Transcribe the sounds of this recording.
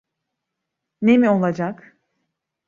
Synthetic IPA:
nemio̞lˠad͡ʒak

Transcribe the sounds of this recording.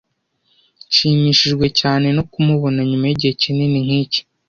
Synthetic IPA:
ʃiːmiːʃiʒɡwe̞caːne̞no̞kumuβo̞naɲumajiɟihe̞cininiŋ̥hiːce̥

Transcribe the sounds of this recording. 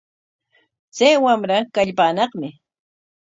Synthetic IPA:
t͡sajwamɾakaʎpaːnɑqmɪ

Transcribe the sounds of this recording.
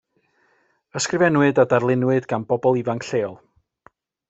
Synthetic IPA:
əskrɪvɛnwɨdadarlˠɪnwɨdɡanbɔbɔlˠivaŋkɬeːɔlˠ

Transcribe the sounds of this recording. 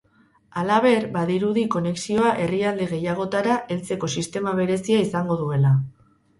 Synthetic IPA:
alaβe̞ɾbaðiɾuðiko̞ne̞ksio̞aʔe̞riald̪eɣ̞e̞jaɣ̞o̞t̪aɾaʔe̞lt͡se̞ko̞sist̪e̞maβe̞ɾe̞siaisaŋɡo̞ðue̞la

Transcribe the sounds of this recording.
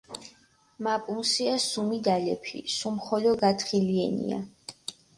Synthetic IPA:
mapʼunsiasumid̪alɛpʰḭsumχɔlɔɡat̪ʰχiliɛ̰nḭa̰

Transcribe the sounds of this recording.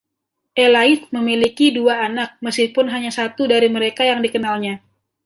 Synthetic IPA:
ʔelaɪt̪̚məmilikiduaːnak̚məskipʊnɦaɲasat̪udaɾiməɾekajaŋdikənalɲa

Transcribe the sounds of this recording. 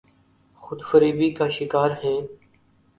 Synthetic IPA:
xʊd̪fəɾiːbiːkaːʃɪkaːɾɦẽː

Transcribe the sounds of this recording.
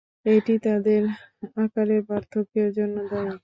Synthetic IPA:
eʈit̪ad̪eɾakaɾeɾbaɾt̪ʰokeɾd͡ʑonːod̪ɛj

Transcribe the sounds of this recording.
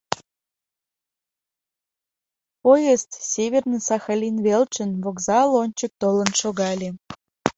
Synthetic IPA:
pojəst̪sʲeβʲernɨsɑxɑlʲinβelt͡ɕənβoɡzɑlonʲt͡ɕək̚t̪olə̆nʃoɣɑlʲe

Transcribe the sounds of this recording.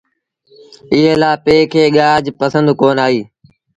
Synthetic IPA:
ɪɦẽːlaːpeːkʰeːɠaːd͡ʒpəsə̃nd̪koːnaːɦiː

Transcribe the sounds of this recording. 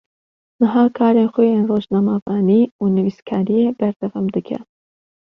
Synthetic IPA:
nɨɦaːkʰaːɾeːnxojeːnroːʒnɑːmaːvɑːniːuːnɨviːskʰaːɾijeːbɛɾd̪ɛvɑmd̪ɨkʰɛ̰

